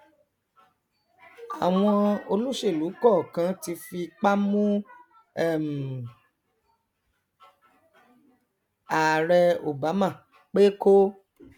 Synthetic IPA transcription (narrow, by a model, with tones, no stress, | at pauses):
a˨w̃ɔ̃˧o˧lu˦ʃe˦˨lu˨˦kɔ˦˨kã˧ti˧fi˧k͡pa˦mũ˦ | ɛ˦˨m̩˨ | a˨ɾɛ˧o˨ba˨˦mã˦˨ | k͡pe˦ko˦